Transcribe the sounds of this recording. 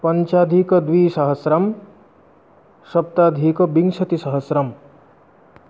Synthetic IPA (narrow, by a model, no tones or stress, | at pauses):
pɐɲt͡ʃaːd̪ʱikɐd̪ʋiːsɐɦɐsɾɐm | ʃɐp̚t̪aːd̪ʱiːkɐbiŋʂɐt̪isɐɦɐsɾɐm